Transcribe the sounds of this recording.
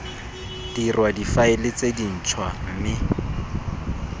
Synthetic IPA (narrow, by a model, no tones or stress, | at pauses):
d̥irwadifaɪlɪt͡sedin̩t͡ʃʰwam̩mɪ